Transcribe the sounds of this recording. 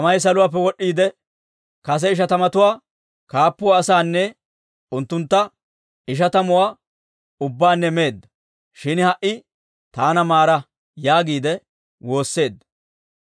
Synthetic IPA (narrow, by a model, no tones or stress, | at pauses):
ɐmɐjs̬ɐlʊwaːp̬ːɛwɔɗːiːd̪ɛ | kɐs̬ɛɪʃ̬ɐt̪ɐmɐt̪ʊwaː | kaːpːʊːsaːnːɛ | ʊnt̪ːʊnt̪ːɐ | ɪʃ̬ɐt̪ɐmʊwaː | ʊbːaːnːɛme̞ːd̪ːɐ̥ | ʃɪnhɐʔɪ | t̪aːnɐmaːɾɐ | jaːɡiːd̪ɛ | wo̞ːsːe̞ːd̪ːɐ̥